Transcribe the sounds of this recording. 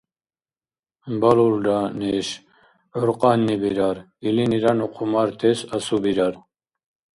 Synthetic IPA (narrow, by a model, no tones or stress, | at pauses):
baluld̪anɛʃ | ɔɾqʼanːibiɾaɾ | iliniɾanuqʰʼumaɾt̪ʰɛsasubiɾaɾ